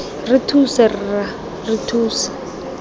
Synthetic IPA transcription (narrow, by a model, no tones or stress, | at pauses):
rɪtʰusarɪra | rɪtʰuːsḁ